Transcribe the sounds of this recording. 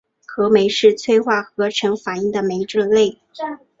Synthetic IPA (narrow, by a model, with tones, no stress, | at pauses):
xɤ˧˥me˧˥ɪʂɻ̩˥˧t͡sʰwe˥˧ɪxwa˥˩xɤ˧˥ʈ͡ʂʰɤ˧˥ŋfa˨˩i˥˩ŋd̪ə˨me˧˥ɪʈ͡ʂɤ˥˧le˥˩ɪ